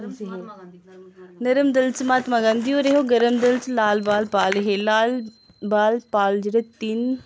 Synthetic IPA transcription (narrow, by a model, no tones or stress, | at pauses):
ɦe | nɐɾəmd̪ɐlt͡ʃmãːt̪mãːɡãnd̪ijoɾeɦoɡɐɾəmd̪ɐlt͡ʃlaːlbaːlpaːlɦelaːl | baːlpaːld͡ʒɽet̪in